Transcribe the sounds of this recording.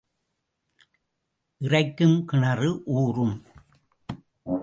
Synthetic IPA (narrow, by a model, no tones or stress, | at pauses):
ʔɪrɐɪkːɯmkɪɳɐrɯʔuːrɯm